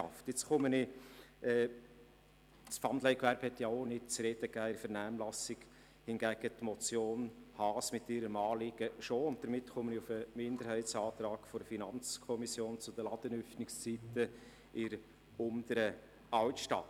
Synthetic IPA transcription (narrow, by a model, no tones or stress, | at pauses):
ɑ̰ftjɪt͡sχʊmənɪɛː | sfɑnd̪lɛɪkʋæɾb̥hɛt̪jaonɪt̚t͡sɾɛd̥əkæːɪɾfəɾnæːmlɑsɪɡ | hɪnɡæɡ̥ət̪mɔt͡sjoːnhɑːsmɪtːɪɾəmɑːliɡ̥əʃoʊnt̚d̥əɾmɪtχʊməniʊfəmɪnd̪əɾhɛɪtt͡sɑːt̪ɾɑːɡ̥fɔɾfinɑnt͡skʰɔmisjoːnt͡sʊd̥̪əlɑd̥̪ənʏfnɪkst͡sitə | ɪɾ | ʊnd̪əɾə | ɑltʃtɑ̰t